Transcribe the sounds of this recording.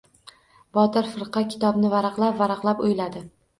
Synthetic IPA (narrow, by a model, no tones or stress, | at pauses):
bɒt̪ɪɾfɪɾqʰɑkʲʰɪ̥t̪ɒbnɪvaɾɑqlˠapvaɾɑqlˠapʊjlad̪ɪ